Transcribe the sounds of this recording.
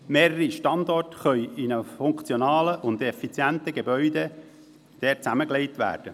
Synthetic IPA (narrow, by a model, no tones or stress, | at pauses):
meːɾəɾiʃtɑndɔrtχœʏɪnəfʊŋkt͡sjonɑːləʔʊnd̪ɛfit͡sjænt̪əɡebœʏde | d̪̥ɛːt͡sæməkleɪtʋæ̰ːrd̥ə